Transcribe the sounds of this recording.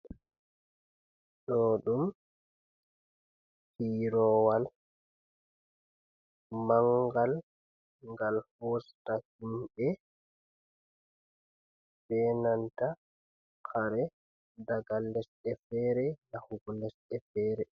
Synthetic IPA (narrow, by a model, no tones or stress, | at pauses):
ɗɔɗum | hiɾɔwal | maŋɡal | ŋɡalhostahimɓɛ | ɓɛnanta | kʰaɾɛ | daɡalːɛsɗɛfɛːɾɛlahuɡulɛsɛfɛːɾɛ